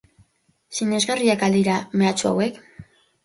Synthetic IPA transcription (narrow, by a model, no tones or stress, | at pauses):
siɲe̞zɣariakald̪iɾame̞at͡sua̰we̞k